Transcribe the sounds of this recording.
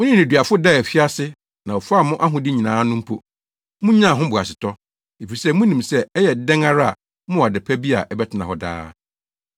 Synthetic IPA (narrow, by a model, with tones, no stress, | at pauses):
mʊ̃˦nɪ̃˦nĩ˨dɥa˨fʊ˦dɛ˦˨ɛ˨fi˦a˦sɪ˦ | nã˨ɔ˨fa˦mʊ̃˦ʔa˦ɦʊ̃˨dɪ˦ɲĩ˨nãː˨˦nʊ̃˦m̩˦pʰo˨ | mʊ̃˦ɲ˦ã˦˨ɦʊ̃˦bʊ˨a̰˨sɪ˨tʰɔ˦ | e˨fi˨sɛ˦mũ˦nĩ˨msɛ˦ɛ˦jɛ˨dɛ̃˦ŋa˦ɾa˦a˨ | mʊ̃˦˨a˨dɪ˨pʰæ˦bi˦a̰˨ʔɛ˦bɛ˦tʰɪ˨nã˨ɦɔ˨da̰ː˦